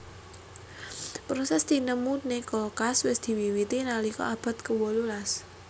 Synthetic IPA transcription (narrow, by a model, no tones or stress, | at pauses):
pɾosɛsd̪̥i̤nəmunekolkaswɪsd̪̥i̤wiwit̪inalikɔ̰ab̥a̤t̪̚kəwolulas